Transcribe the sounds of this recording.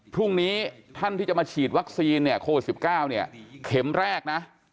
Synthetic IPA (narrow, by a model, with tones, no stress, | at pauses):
pʰɾu˥˩ŋniː˦˥t̪ʰa˥˩nt̪iː˥˩t͡ɕa˨˩maː˧t͡ɕʰiː˨˩t̪̚wa˦˥k̚siː˧nːi˥˩ɐkʰoː˧wi˨˩t̪si˨˩p̚kaː˥˩wni˥˩ɐkʰe˩˦mɾɛː˥˩k̚na˦˥ʔ